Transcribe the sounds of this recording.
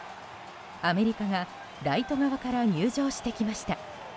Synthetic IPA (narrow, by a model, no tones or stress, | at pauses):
ame̞ɾʲikaɡa | ɾait̪o̞ɡaβakaɾaɲ̟ɨːʑo̞ːɕi̥t̪e̞kʲimaɕi̥t̪a